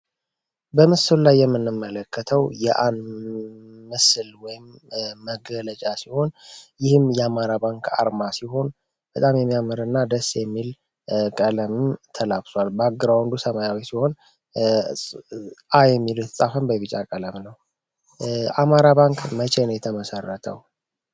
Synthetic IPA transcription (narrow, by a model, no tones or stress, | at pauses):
bəmɨsɨllajːɛmːɨnːɨmːələkʰːət̪ʰəwjɛʔanː | ɨslwɔjɪmːəɡələt͡ʃʼasiho̞njɪhɨmjɛamaɾaβaŋkʰa̰ɾmasiho̞n | b̥ət̪ʼamjɛmːijaməɾɨnːad̪əsjɛmːil | kʼələmɨmt̪ʰəlabswalbaɡɨɾawənd̪usəmajawisiho̞n | ajɛmːiljɛt̪ʰəsʼafənbəβɨt͡ʃʼakʼələmnəw | ʔamaɾaβaŋkmət͡ʃʰenəwjɛt̪ʰəməsərːət̪ʰə̰w